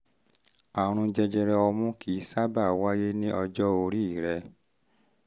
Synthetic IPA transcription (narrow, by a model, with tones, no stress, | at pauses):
a˨ɾ̃ũ˧d͡ʒɛ˧d͡ʒɛ˧ɾɛ˧ɔ˧mũ˦kʰi˨˦sa˦ba˦˨wa˦je˦nĩ˦ʔɔ˧d͡ʒɔ˦o˧ɾi˦˨ɾɛ˧